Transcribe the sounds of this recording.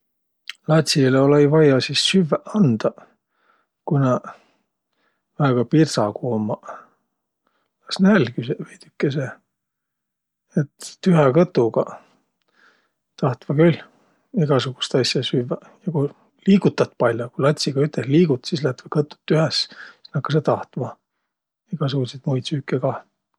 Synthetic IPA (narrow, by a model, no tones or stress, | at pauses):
lɑt̪ʲsileolejvɑjɑsisːyvːæʔɑnd̪̥ɑ | kunɑ | væeɡ̥ɑpirsɑkuomːɑ | lɑsnælkysvejd̪̥ykːes̬e | et̪ːyɦekɤt̪ːˑuɡɑ | t̪ɑht̪vɑkyl | iɡ̥ɑsuɡ̥u̥st̪ɑsjɑsyːvːæ | jɑku | liːɡut̪ːɑt̪ːpɑlʲjokulɑt̪ʲsiɡ̥ɑyt̪esliːɡ̥ut̪ːsislæt̪vɑkɤt̪ːˑu̥t̪ːyhessi̥snɑkːɑset̪ɑht̪mɑ | iɡ̥ɑs̬uɡ̥uset̪mujt̪syːkːeɡɑ